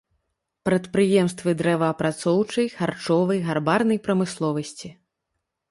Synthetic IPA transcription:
pɾɐt̪pɾɨjɛmst̪vɨd̪ɾɛvɐːpɾat̪sɔwt͡ʂɐjxart͡ʂɔvɐjɣarbarnɐjpɾɐmɨslˠɔvɐsʲt͡sʲi

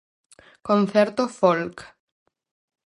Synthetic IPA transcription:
konθeɾt̪ofolk

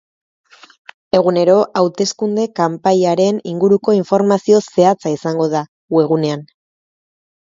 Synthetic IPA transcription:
e̞ɣune̞ɾo̞ʔawt̪e̞skund̪e̞kampaʎaɾe̞niŋɡuɾuko̞iɱfo̞ɾmasio̞se̞at͡saisaŋɡo̞ð̞a | ɣue̞ɣune̞an

